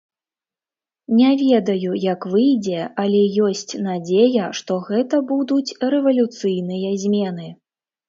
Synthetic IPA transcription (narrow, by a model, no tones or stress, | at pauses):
nʲɛvʲɛd̪ɐjujɐkvɨjd͡zʲɛɐlʲɛjɔsʲt͡sʲnad͡zʲejɐʂt̪ɔɣɛt̪ɐbud̪ut͡sʲɾɛvɐlʲut̪sɨjnɨjɐzʲmʲɛnɨ